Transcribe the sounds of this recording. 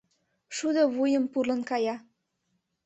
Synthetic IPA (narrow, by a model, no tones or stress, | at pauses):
ʃud̪ɑβujə̆mpurlɤ̆nkɑjɑ